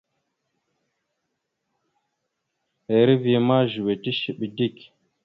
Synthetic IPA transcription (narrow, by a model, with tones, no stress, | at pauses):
e˨ɾi˦vi˨e˨ma˦ʒu˨we˨ti˦ʃi˨ɓi˨di˦˨k